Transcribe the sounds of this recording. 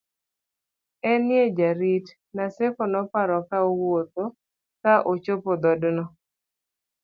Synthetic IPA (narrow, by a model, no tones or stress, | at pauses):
ɛnjed͡ʒaɾit | nasɛkɔnɔpaɾɔkaowwot̪̚o | kaʔot͡ʃopod̪ɔdnɔ